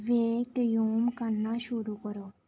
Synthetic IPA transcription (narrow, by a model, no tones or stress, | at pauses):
ʋeːk̚ʈ̪juːmkəɾnaʃuɾukəɾo